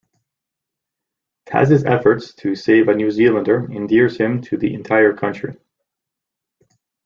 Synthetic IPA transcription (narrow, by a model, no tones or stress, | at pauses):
thæ̰z̥ɨzɛfə˞tstʰɨseɪvɨnjʉzilˠə̃ndə˞ɨ̃ndɪɹz̥hɪ̃mtʰɨðḭʔɨ̰̃ntʰaɪə˞kʰʌ̃nt͡ʃɹ̥i